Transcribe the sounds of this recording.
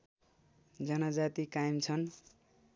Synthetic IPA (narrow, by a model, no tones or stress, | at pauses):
d͡zʌnʌd͡zat̪ikajimt͡sʰʌn